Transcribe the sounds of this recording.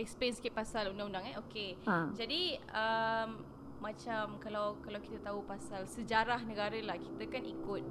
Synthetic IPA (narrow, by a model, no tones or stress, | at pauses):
ɛk̚spɛnsi̥kɪt̪̚pasalundãŋundaŋaokead͡ʒadiəmː | ãt͡ʃamkalawkalawki̥t̪ət̪aupasalsəd͡ʒaɾahnəɡaɾəlahkit̪əkanikʊt̪̚